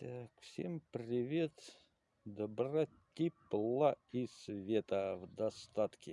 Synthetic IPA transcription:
akfsʲempɾʲɪvʲet̪ | d̪əbɾa | t̪ʲiplˠaisvʲet̪əvd̪ɐst̪at̪kʲɪ

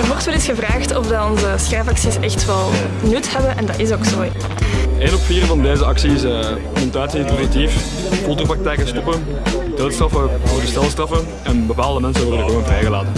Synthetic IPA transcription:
ərʋɔrtʋɛlɪsxəvraːxtɔvdɑɔnzəsxaːfɑksisɛxtʋɛlˠ | nʏthɛbəʔɛndɑtɪsoːksoː | ʔeːnɔpfiːrvɑndeːzəɑksiɪsə | mɔntaːtsiɪnpozitif | fɔlˠtopɾrɑk̚tɛjkəstupə | d̥oːtstrɑfəvodəstɛlˠstrɑfə | ɛnbəpaːlˠdəmɛnsənʋɔrdəɣəʋoːnvrɛjɣəlaːtən

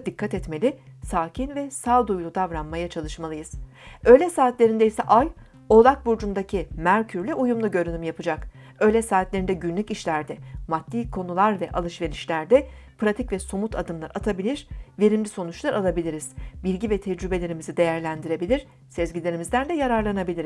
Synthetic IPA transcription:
d̪ikʰːat̪ɛt̪me̞lʲɪsaːcʰinvɛsalˠd̪ujlˠud̪avɾanmajat͡ʃʰalˠɯʃmalˠɯjɯz̥ | ø̞ːlʲɛsaːt̪lʲe̞ɾind̪ɛisɛʔaj | o̞lˠak̚buɾd͡ʒund̪acʰimæɾcʰyɾlʲɛujumlˠuɟø̞ɾynymjapʰɯd͡ʒak | ø̞ːlʲɛsaːt̪lʲe̞ɾind̪ɛɟynlʲyciʃlʲæɾd̪ɛmat̪ːiːkʰo̞nulˠaɾvɛʔalˠɯʃve̞ɾiʃlʲæɾd̪ɛpɾat̪ʰicvɛso̞mut̪ʰad̪ɯmlˠaɾat̪ʰabilʲiɾ̥ve̞ɾimlʲiso̞nut͡ʃlˠaɾʔalˠabilʲiɾiz̥bilʲɟivɛt̪ʰɛd͡ʒɾybe̞lʲe̞ɾimizid̪e̞jæɾlʲænd̪iɾe̞bilʲiɾ̥ | sɛzɟilʲe̞ɾimizd̪ænd̪ɛjaɾaɾlˠanabilʲiɾ

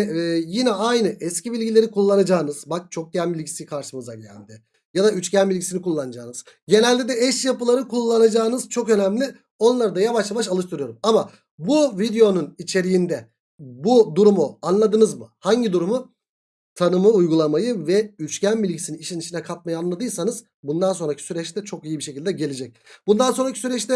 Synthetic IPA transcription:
ɛjinɛajnɯʔɛscibilʲɟilʲe̞ɾikʰulˠːanad͡ʒaːɯnɯz̥bak̚t͡ʃʰo̞k̚ɟænbilʲɟisijkʰaɾʃɯmɯzaɟæ̰nd̪ɪ | jad̪ayt͡ʃcænbilʲɟisinikʰulˠːanad͡ʒa̰ːɯnɯz̥ɟe̞nælʲd̪ed̪ɛɛʃjapɯlˠaɾɯkʰulˠːanad͡ʒaːnɯz̥t͡ʃʰo̞kø̞nɛmlʲɪ | o̞nlˠaɾɯd̪ajavaʃjavaʃ̬alˠɯʃt̪ʰɯɾɯjo̞ɾumama | buvid̪eo̞nunit͡ʃʰe̞ɾijind̪ɛ | bud̪uɾumuanlˠad̪ɯnɯzmɯhaɲɟid̪uɾumu | t̪ʰanɯmɯujɡulˠamajɯvɛyt͡ʃcʰænbilʲɟisininiʃiniʃʰinɛkʰat̪̚majɯanlˠad̪ɯjsanɯz̥ | bund̪anso̞nɾacʰi̥syɾɛt͡ʃt̪ʰɛt͡ʃʰo̞kijibiʃe̞cilʲd̪ɛɟe̞lʲed͡ʒɛc̚ | b̥und̪anso̞nɾacʰisyɾɛt͡ʃt̪ʰɛ

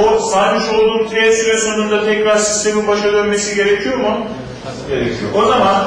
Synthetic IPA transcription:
osaːmiʃo̞lˠd̪uːmk̪ʰiesivɛsonund̪at̪ʰɛcɾaɾsi̥st̪ʰe̞minbaʃad̪ønme̞siɟe̞ɾecʰijo̞mu | ɟeɾecʰijoozaman

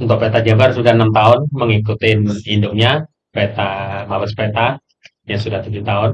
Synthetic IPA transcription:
unt̪ʊk̚pet̪ad͡ʒabarsudaənamt̪aʊnməŋikut̪ɪnindʊʔ̚ɲa | pet̪amabəspɾet̪a | jasudaht̪ud͡ʒut̪aʊn

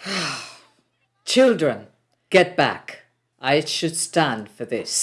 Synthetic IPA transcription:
ha | t͡ʃʰɪlˠdɹɨ̃n | ɡ̥ɛt̚b̥æ̰k | ʔaɪʃɨd̥stæ̃nd̥fə˞ðɪs

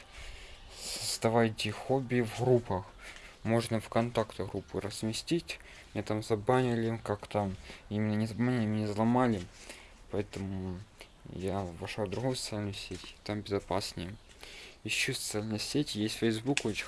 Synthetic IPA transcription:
səst̪ɐvajt̪ʲɪxobʲivɣɾupəxmo̞ʐnəfkɐnt̪akt̪ɣɾupːɨɾəz̥mʲɪsʲtʲitʲ | mʲet̪amzɐbanʲɪlʲɪkakt̪aimʲɪnːənʲɪzɐbmanʲlʲɪmʲɪnʲezlˠɐmalʲɪ | pɐɛt̪əmʊ | javɐʂad̪ɾʊɣojsət̪sɨalʲnʊjsʲetʲt̪ambʲɪzɐpasʲnʲəjə | ɪɕːusə̥t̪sɨalʲnəjəsʲetʲɪjesʲtʲfʲəjzbukot͡ɕɪ

